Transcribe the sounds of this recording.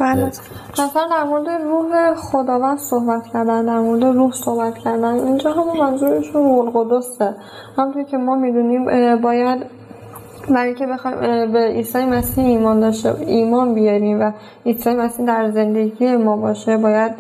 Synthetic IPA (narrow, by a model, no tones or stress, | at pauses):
bæːle | hæsæɾd̪æɾmo̞ɾed̪e̞ruːɦexod̪ɒːvænd̪̥sohbæt̪ʰcʰæɾd̪ænd̪æɾmo̞ɾed̪eruːhso̞hbæt̪cʰæɾd̪ænd̪ind͡ʒɒːɦæmunmænzuːɾiʃunmolɣod̪ose | hæmnt̪ʰoɾcʰe̞mɒːmid̪uniːmbɒːjæd̪ | bæɾijcʰebe̞xɒjmbeiːsɒːjemæsiːhiːmɒːnd̪ɒːʃt̪ḛiːmɒːnbijɒɾiːmvæ | iːsɒːjemæsiːhd̪æɾze̞nd̪e̞ɟije̞mɒːbɒːʃebɒːjæd̪